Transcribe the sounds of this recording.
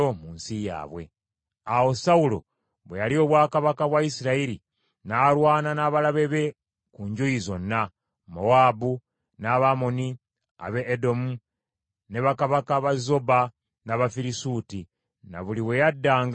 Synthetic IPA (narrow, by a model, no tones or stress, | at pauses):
omuːnsija̰ːβwe̞̰ | awo̞saulo̞̰ | βwejalio̞βwaːkaβakaβwaisiɾaiɾi | naːɾwaːnanaːβalaβe̞βe̞ | kuɲɟujizo̞nːa | mo̞waːbu | naβamo̞ni | a̰βeːdo̞mu | ne̞βakaβakaβazo̞ba | naβafiɾisuːti | na̰βuliwe̞jadːaːŋɡ